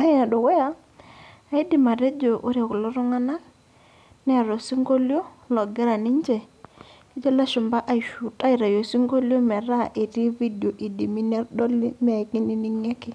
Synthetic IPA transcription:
a˦ɪ˦a˨dɔ˨wɛ˦a˦ | a˨ɪ˦di˨ma˨ɾe˦d͡ʒo˨ʔo˦ɾja˨kʊ˨lɔ˦ɾɔ˦ŋa˦na˦ | nɛ˦˨ɾo˨si˦ŋɡo˦ljo˦lɔ˨ɡɛ˦ɾa˨nɪ˦ɲd͡ʒɛ˨ | i˦d͡ʒɔ˦la˦ʃʊ˨mba˦ʔa˨i˨ʃu˨ta˦i˨ɾa˨jo˨si˦ŋɡo˦ljo˦mɛ˨ɾa˦ʔe˨ti˦vi˦do˨ʔi˨di˨mi˦ne˦ɾdɔ˦li˦m˦a˨ki˦ni˦ni˦ŋɛ˦kɪ˦˨

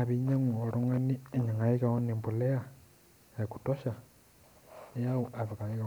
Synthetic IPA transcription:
a˨βi˦ɲa˦ŋu˨o˨ɾo˦ŋa˦ni˦e˨ɲa˨ŋa˨ji˦ka˨o˦ni˨mbu˨le˦a˨ | e˨ku̥˨to˦ʃa˨ | e˦ja˦u˨ʔa˨βi˨ka˨i˦ka

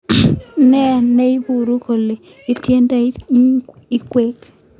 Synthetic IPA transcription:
nɛ˦˨ne˦i˦bu˨ɾu˦ko˨le˨ | i˦tje˦nda˦ | ɪ˦kwe˦k

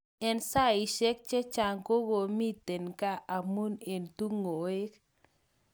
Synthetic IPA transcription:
ɛ˦nsa˦˨i˨ʃɛ˦k̚t͡ʃe˦t͡ʃa˨ŋko˦ɡo˨mi˦t̪e˨nka˦ʔa˨mu˦ne˨nt̪u˦ŋo˨e˦k

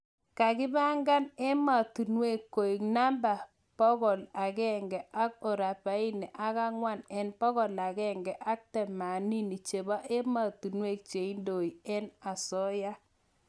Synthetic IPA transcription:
ka˨ɡɪ˦ba˦ŋɡa˦ne˦ma˨t̪u˨nwe˦˨kːo˨i˨kna˦mba˨ | pɔ˦ɡɔ˨la˨ɡɛ˦ŋɡɛ˨ʔa˦k̚ɔ˨ɾa˨pa˨˦i˦ne˨ʔa˦ka˦ŋwa˦˨nɛ˨npɔ˦ɡɔ˨la˨ɡɛ˦˨ŋɡɛ˨ʔa˦k̚tɛ˨ma˨ni˦ni˨t͡ʃe˨ba˦ʔe˦ma˨t̪u˨nwe˦˨k̚t͡ʃe˨i˦ndo˨i˨ɛ˦na˨sɔ˦ja˦

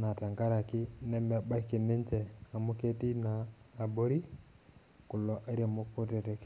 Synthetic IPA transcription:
na˨ta˨ŋɡa˦ɾa˨kɪ˦nɛ˦mɛ˨ɓa˦ki˨ne˦nt͡ʃɛ˨a˨mu˦ke˦ti˦naː˨ | bo˦ɾi˦ | ku˨lɔ˨ʔe˦ɾe˦˨mu˦ku˦tɛ˨tɛ˨k

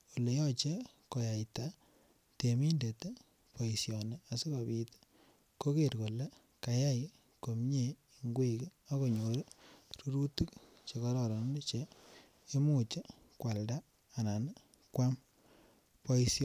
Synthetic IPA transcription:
o˨le˨jɔ˦t͡ʃe˦ | ko˨ja˨jta˦ | te˨mi˦nde˨te˦ | po˨i˨sjɔ˨nea˨si˦ka˨pit | ko˦ke˨ɾko˨le˦ | ka˨ja˦j | ko˨mɲe˨ | iŋɡwe˦ka˦ko˨ɲo˨ɾɾu˦ɾu˦tu˦k | t͡ʃe˨kɔ˦ɾɔɾɔ˨n˦net͡ʃeː˦ | mu˨t͡ʃe˦ | kwa˨ldaː˦˨ | na˨n | kwa˦m | po˦isj

